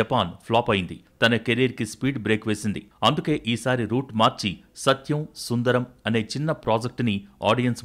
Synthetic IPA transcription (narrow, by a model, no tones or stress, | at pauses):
ɐpaːnpʰlaːpɐjind̪it̪ɐnɐkeɾiːɾikispiːɖbɾe̞ːkʋe̞ːsind̪iɐnd̪uke̞ːʔiːsaːɾiɾuːʈmaːɾt͡ʃi | sɐt̪jɐmsund̪ɐɾɐmɐne̞ːt͡ʃinːɐpɾaːd͡ʒɐk̚ʈnia̰ːɖijɐns